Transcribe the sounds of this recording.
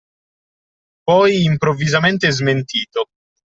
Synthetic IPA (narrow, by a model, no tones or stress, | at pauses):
pɔjimpɾovːizament̪ezment̪iːt̪o